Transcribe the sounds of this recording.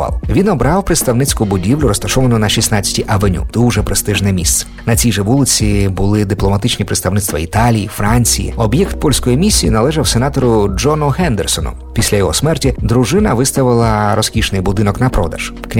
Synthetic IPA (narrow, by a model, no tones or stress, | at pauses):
ɑ̰lˠʋʲinɔbɾɑwpɾɪt̪st̪ɐwnɪt͡sʲkʊbʊdʲiwlʲʊɾɔst̪ɐʃɔʋɐnʊnɐʃʲisnɑt͡sʲɐ̥tʲiʔɐʋenʲṵd̪̥uwʒɛpɾɪst̪ɪʒnɛmʲist̪sɛ̥nɐt͡sʲijʒɛʋulˠɪt͡sʲibʊlˠɪd̪ɪplˠɔmɐt̪ɪt͡ʃnʲipɾeɪt̪st̪ɐwnɪt̪st̪ʋɐit̪ɑlʲijifɾɑnʲt͡sʲijḭɔbjɛkt̪̚pɔlʲsʲkɔjimʲisʲːijinɐlˠɛʒɐwsenɑt̪ɔɾʊd͡ʒɔnʊɦɛnd̪ersɔnʊ̰ | pʲisʲlʲɐjɔɦɔsmɛrtʲid̪ɾʊʒɪnɐʋɪst̪ɐʋɪlˠɐɾɔskʲiʃnɪjbʊd̪ɪnɔknɐpɾɔ̰d̪ɐ̰ʃ | knʲ